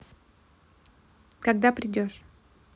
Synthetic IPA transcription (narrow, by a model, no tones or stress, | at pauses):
kaɡd̪apɾʲɪdʲɔʂ